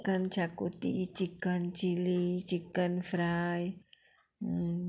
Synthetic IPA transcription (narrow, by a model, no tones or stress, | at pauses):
kant͡ʃakut̪iːt͡ʃikant͡ʃilit͡ʃikənfɾaj